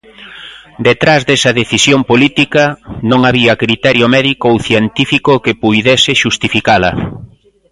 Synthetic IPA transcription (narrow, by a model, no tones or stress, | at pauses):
d̪et̪ɾazðesɐðeθisjompolit̪ikɐnõŋaβiɐkɾit̪ɛɾjʊmɛðikoowθjent̪ifikokepujðɛsɪʃust̪ifikalɐ̰